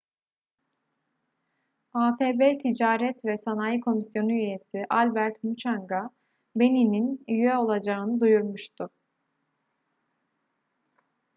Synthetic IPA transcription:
aːfeːbeːt̪ʰid͡ʒaːɾɛt̪vɛsanajikʰo̞misjo̞nuyje̞siʔalʲbæɾt̪mut͡ʃʰaŋɡa | be̞nininyjɛo̞lˠad͡ʒaɯnɯd̪ujuɾmuʃt̪ʰʊ

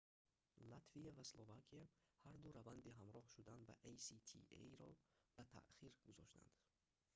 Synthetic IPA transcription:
lat̪ʰvijavaslˠovakʰiahaɾd̪uɾavand̪iɦamɾɔhʃud̪anbaʔejsit̪ʰḭḛjɾɔb̥at̪ʰa̰ʔχiɾɡuzɔʃt̪ʰa̰nd̪̥

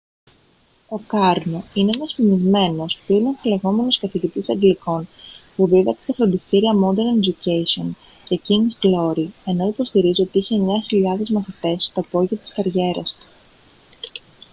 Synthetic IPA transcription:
o̞kɐɾno̞ineenɐspinizme̞no̞spuinefileɣo̞me̞noskɐθiʝit̪isɐŋɡliko̞npuðiðɐkse̥t̪ɐfɾo̞nd̪ist̪iɾiɐmo̞d̪eɾned͡ʒucesio̞n | ce̞ciŋɡsɡlo̞ɾie̞no̞ipo̞st̪iɾizio̞t̪iiçe̞ɲɐçiʎɐðe̞zmɐθit̪e̞st̪ɐpo̞ʝɐɐt̪i̥skɐɾʝe̞ɾɐst̪u̥

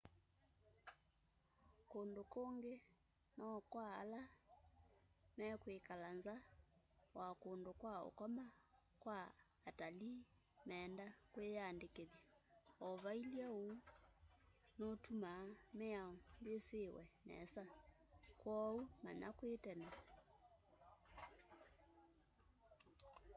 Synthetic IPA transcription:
kondokoŋɡe | nɔkwaala | mɛkwekalanza | wakondokwao̰kɔma | kwaː | tali | mɛːndakwejandekeðiɔvailiao | notumamɛaɔmbesewɛnɛ̰sa | kwɔuma̰na̰kwetɛna

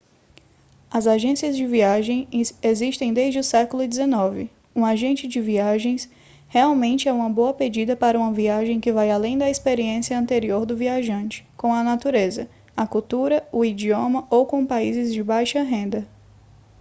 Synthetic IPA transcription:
ɐzaʒẽsiɐzd͡ʒɪviaʒẽj̃eziʃt̪ẽj̃d̪ezd͡ʒɪʊsɛkʊlʊɪd͡ʒ̪ɪzenɔvɪ | ũaʒẽnt͡ʃɪd͡ʒɪviaʒẽj̃s | heawmẽnt͡ʃɪɛũmɐboɐped͡ʒid̪ɐpaɾɐũmɐviaʒẽj̃kɪvajalẽj̃d̪ɐespeɾiẽsiɐɐ̃nt̪eɾioɾd̪ʊviaʒɐ̃nt͡ʃɪ̥kõɐnat̪uɾezɐ | ɐkuwt̪uɾɐʊid͡ʒiõmɐowkõpaizɪzd͡ʒɪbajʃɐɦẽnd̪ɐ

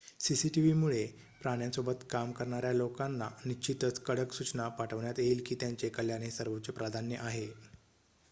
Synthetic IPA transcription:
sisiʈiʋimuɭe | pɾaɽ̃jasobət̪kamkəɾɳaɾjalokanːanit͡ɕit̪ət͡skəɽəksut͡ɕnapaʈʰəʋɳjat̪jeilkiːt̪jaɲt͡ɕekəljanesəɾʋot͡ɕəpɾad̪ʱanjəʔaɦe

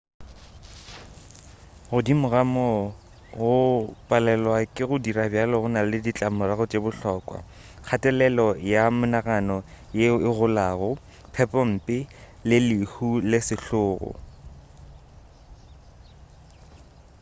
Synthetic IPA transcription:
ɣʊdimʊɣamɔ | ɣʊpʼalɛlwakʼɪɣʊdirabjalɔɣʊnalɪdit͡ɬʼamʊraɣʊt͡ʃʼebʊɬɔːkʼwa̰ | k͡xʰatʼɛlɛlɔjamʊnaɣanɔ | jeɪɣʊlaːɣʊ | pʰɛpʼɔm̩ːpʼɪ | lɪlɪhulɪsɪɬʊːɣʊ̰

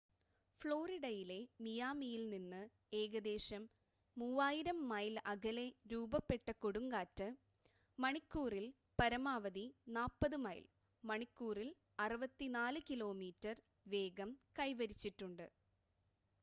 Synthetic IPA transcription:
fɭo̞ːriɽɐjile̞mijaːmijilninːɨ | e̞ːɡɐd̪e̞ːɕɐmː | uːʋaːjiɾɐmːɐjlɐɡʱɐle̞ɾuːbɐpːe̞ʈːɐkoɽuŋɡaːtːɨ | mɐɳikːuːril | pɐɾɐmaːʋɐðinaːpːɐðɨmɐ̰j̰l | mɐɳikːuːril | ɐrɨʋɐt̪ːinaːlɨkilo̞ːmiːtːɐr | ʋe̞ːɡɐmkɐjʋɐɾit͡ɕːiʈːuɳɖɨ

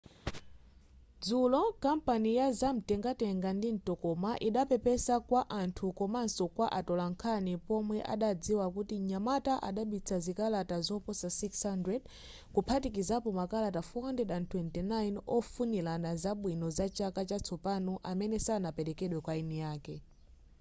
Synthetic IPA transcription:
d͡zulɔkampanijazam̩tɛŋɡatɛŋɡandin̩tɔkɔmaʔiɗapɛpɛsakwaʔantʰukɔmansɔkwaʔatɔlaŋkʰanipɔmwɛʔa̰ɗad͡ziwak̬utiɲamataʔaɗaɓit͡sʰazikalatazɔpɔsasikshandɹɛd | kupʰatik̬izapɔmakalatafɔhandɛdantʰwɛntɛnajinɔfunilanazaɓwinɔzat͡ʃakat͡ʃat͡sʰɔpanɔʔamɛnɛsanapɛɾɛkɛɗwɛkwainɛjaːkɛ

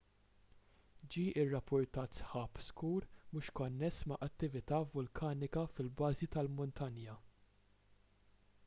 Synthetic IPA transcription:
d͡ʒiːʔɪrːɐpːʊɾt̪ɐːt̪sħɐːpskuːɾmʊʃkɔnːɛsːmɐʔɐt̪ːɪvɪt̪ɐːvʊlkʰɐːnɪkɐfɪlbɐːzit̪ɐlmʊnt̪ɐnjɐ

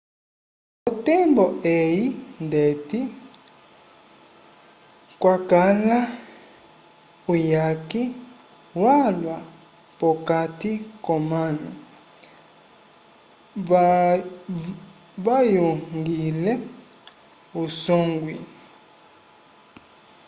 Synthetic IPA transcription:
ɔtɛmbɔʔejindeti | kwakala | ujaki | walwa | pɔkatikɔmanɔ | vajoŋŋɡilɛ | usɔŋɡwi

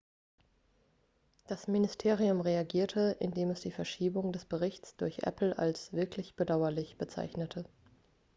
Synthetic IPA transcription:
d̥asmɪnɪstʰeːʁiʊmʁeaɡiːɐtʰəʔɪ̰ndeːmɛsd̥iːfɛɐʃiːbʊŋdɛsb̥əʁɪçt͡sd̥ʊɐçʔɛ̰pl̩a̰lsv̥ɪɐklɪçb̥ədaʊɐlɪçb̥ət͡sa̰ɪçnətʰə

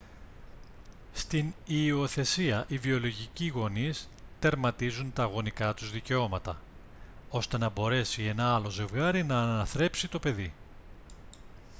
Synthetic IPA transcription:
st̪inio̞θe̞siɐʔivio̞lo̞ʝiciɣo̞nis | t̪e̞ɾmɐt̪izunt̪ɐːɣo̞nikɐt̪uzðice̞o̞mɐt̪ɐ | o̞st̪e̞nɐbo̞ɾe̞sie̞nɐɐlo̞ze̞vɣɐɾinɐːnɐθɾe̞psit̪o̞pe̞ði

